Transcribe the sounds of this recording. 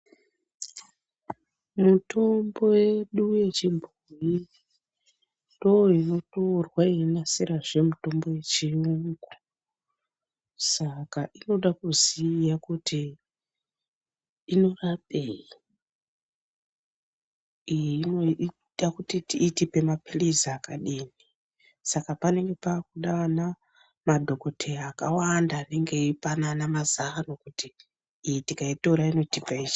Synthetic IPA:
muto̞mbo̞je̞ɗuje̞t͡ʃimbʱuji | ndooino̞toːrwaiinasiraʐe̞muto̞mbo̞je̞t͡ʃiuŋɡu̥ | sakaʔino̞ɗakuzijakuti | ino̞rapeji | ijino | ɗakutitiːtipemapirizaːkaɗiːni | sakapane̞ŋɡe̞pakuɗaana | madʱo̞ko̞tʰeaːkawandaːne̞ŋɡe̞ipananamazanokutiː | jitikaitoɾaino̞tipaiʃ

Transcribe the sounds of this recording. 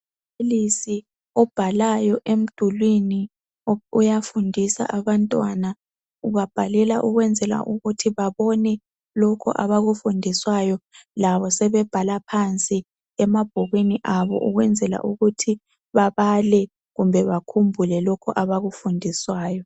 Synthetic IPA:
pʰelisi | ɔb̥ʱalajɔʔem̩d̥ʱulwini | ujafundʱisa̰ʔaβantʼwana | uβab̥ʱalɛlaʔuɣwɛnd͡zʱɛla̰ʔuɣutʰiβaβɔnɛ | lɔkʰɔ̰ʔaβaɣufundʱiswajɔlaβɔsɛβɛb̥ʱalapʰant͡sʼi | ɛmab̥ʱɔɣwiniʔaβɔ̰ʔuɣwɛnd͡zʱɛla̰ʔuɣutʰi | βaβalɛ | ɣumbʱɛβakʰumbʱulɛlɔkʰɔ̰ʔaβaɣufundʱiswaːjɔ

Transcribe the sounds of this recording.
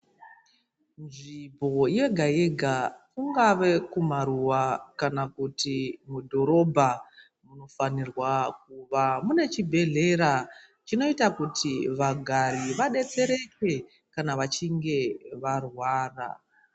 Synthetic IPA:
nʐibʱo̞je̞ɡʱaeɡʱakuŋɡaʋekumaɾuwakanakutimudʱo̞ɾo̞bʱa | muno̞fanirwak̚uʋamune̞t͡ʃibʱe̞ɮe̞ɾa | t͡ʃino̞itakutʰiʋaɡʱaɾiʋaɗe̞t͡se̞ɾe̞twe̞ | kanaʋat͡ʃiŋɡe̞ʋarwaːra̰

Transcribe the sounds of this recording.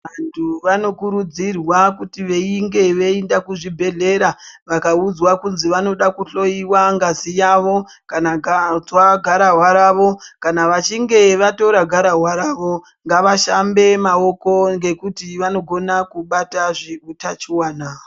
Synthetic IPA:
ʋantʰuʋano̞kuɾud͡zirwakutiʋe̞iŋɡe̞ʋe̞indakuʐibʱe̞ɮe̞ɾaʋakaud͡zwakunziʋano̞ɗakuɬo̞iwaŋɡazijaʋo̞ | kanad͡zwaɡʱaɾaɦwaɾaʋo̞kanaʋat͡ʃiŋɡe̞ʋato̞ɾaɡʱaɾaɦwaɾaːʋo̞ | ŋɡaʋaʃambe̞mao̞ko̞ŋɡe̞kutiʋano̞ɡʱo̞nakuɓataʐiutat͡ʃiwaːna

